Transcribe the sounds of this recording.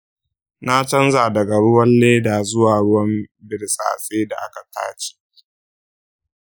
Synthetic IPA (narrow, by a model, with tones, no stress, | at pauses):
na˦t͡ʃɐ˦nzaː˨dɐ˨ɡa˨ɽʊ˦wɐ˦nːeː˦da˨zʊ˦waː˨ɽʊ˦wɐ˦mbɪ˨ɽsʼa̰ː˨sʼeː˦da̰˨ʔa˦ka˨ta̰ː˦t͡ʃe̥ː˦